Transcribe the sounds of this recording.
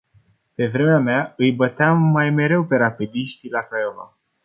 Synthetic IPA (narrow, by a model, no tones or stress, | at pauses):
pe̞vɾe̞meameaɨjbət̪eamːajme̞ɾe̞wpe̞ɾapid̪iʃt̪ilakɾajova̰